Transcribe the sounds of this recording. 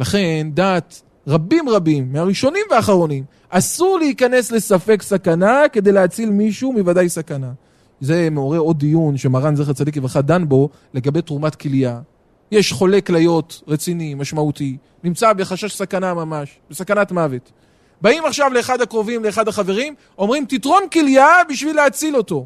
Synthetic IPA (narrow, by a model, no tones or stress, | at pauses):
laχe̞ndat̪ | ʁabimʁabimːeaʁiʃo̞nimveaχaʁo̞nim | ʔasuʁleikane̞sle̞safe̞ksakanake̞d̪ejleat͡silmiʃumivadajsakana | ze̞meo̞ʁe̞o̞d̪ijunʃemaʁanzχat͡sad̪ikjeveχad̪anbo̞ | le̞ɡabe̞jtʁumatkilja | je̞ʃχo̞le̞klajo̞tʁet͡sinimaʃmauti | nimt͡sabe̞χaʃaʃsakanamamaʃb̥esakanatmave̞t | baimaχʃavle̞ːχad̪hakʁo̞vimleːχad̪haχave̞ʁim | o̞mʁimt̪itʁo̞nkiljabiʃvileat͡silo̞to̞